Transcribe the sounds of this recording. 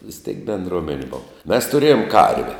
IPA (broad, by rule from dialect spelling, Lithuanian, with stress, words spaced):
ʋʲɪs tʲeːk bʲɛnˈdroːmʲɛnʲeː ˈboːw mʲɛs tʊˈrʲeːjoːm ˈkɐrʲʋʲɛ